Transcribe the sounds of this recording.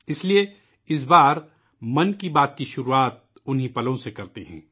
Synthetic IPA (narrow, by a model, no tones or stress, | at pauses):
ɪslie | ɪs̬baːɾ | mɐnkibaːt̪kiʃʊɾuaːt̪̚ | ʊnɦĩpɐlõsekɐɾt̪eɦɛ̰̃ː